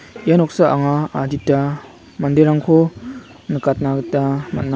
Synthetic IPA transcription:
ianɔk̚saʔa̰ŋaːditːa | mandeɾaŋkʰo | nɯkat̚naɡɯtamat̚na

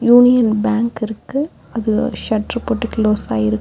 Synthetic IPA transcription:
juːnɪjɐnbaːŋkɪɾɯkːɯ | ɐðɯʃɐʈrɯpoːʈːɯkloːsaːɪɾɯkː

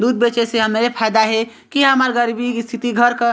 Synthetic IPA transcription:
d̪ud̪̚bet͡ʃeseɦəmeɾepʰajd̪aɦe | kiɦəməɾɡəɾibist̪ʰit̪iɡʱəɾkə

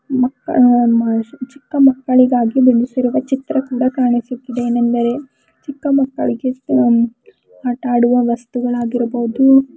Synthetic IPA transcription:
mɐkːɐ | t͡ʃikːɐmɐkːɐɭiɡaːɡibiɭusiɾuʋɐt͡ʃit̪ɾɐkuːɽɐkaːɳisut̪ːid̪eeːnɐnd̪ɐɾe̞ | t͡ʃikːɐmɐkːɐ̰ɭiɡe | aːʈaːɽuʋɐʋɐst̪uɡɐɭaːɡiɾɐbɐɦud̪u

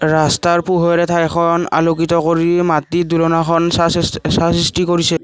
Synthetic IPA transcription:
ɹastaɹpuɦɔɹɛtʰajkʰɔna̰lokitɔkoɹimatidulɔnakʰɔnsassasistikoɹisɛ

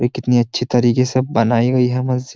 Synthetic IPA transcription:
ekɪt̪niɐtːʃʰit̪ɐɾiːkesɐbbɐnaːiɡɐiɦɛmɐz

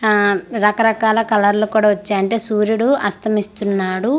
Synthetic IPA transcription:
ɾɐkɐɾɐkaːlɐkɐlɐɾlukuːɽaːʋɐt͡ʃːaːɐɳʈe̞ːsuːɾjuɽuɐst̪ʰɐmist̪unːaːɽu

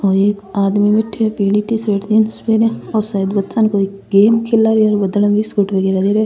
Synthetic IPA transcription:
ɔːeːkaːd̪mimɪʈʰːepiːɽiʈisɾeʈd̪inspeːɾeɔːɾsɐəd̪bɐt̪sankoeːkɡeːmkʰelːaːɾiɔːɾbɐd̪ləbisɡuʈʋɐɡeːɾad̪eɾe

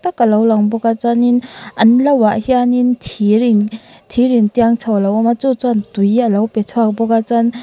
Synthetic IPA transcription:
takɐlawlaŋbɔɡat͡ʃaninɐnlawaʔhianintʰiɾiŋtʰiɾiŋtiaŋt͡sʰawlawamat͡ʃut͡santujiɐlawpet͡sʰuak̚bɔɡat͡san

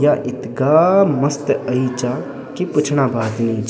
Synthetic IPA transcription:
jaʔɪt̪ɡamɐst̪əit͡ʃa | kipʊt͡ʃʰñaːbaːd̪niːt͡ʃ

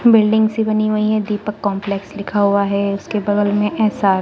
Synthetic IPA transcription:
bɪlɖɪ̃ŋɡsibɐniɦuiɦɛd̪iːpəkːɔ̃ːmpleːkslɪkʰaɦuaɦɛʊskebɐɡəlmẽʔɛːsaː

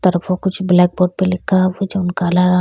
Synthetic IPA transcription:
t̪ɐɾəfokʊt͡ʃʰblɛːk̚boːɖ̚pelɪkʰːaʋod͡ʒoʊnkaːlaɾɐɦ

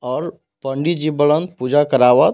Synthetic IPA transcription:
ɔːɾ | pə̃ɳɖid͡ʒibəɭənpud͡ʒakəɾaːʋət̪

